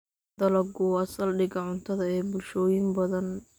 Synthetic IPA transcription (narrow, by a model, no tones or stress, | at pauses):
d̪̥ɐlɐɡʊɐsɐlɖɪɡɐʕʊnt̪ʰɐðɐɛːbʊlʃɔːjɪmbɐðɐn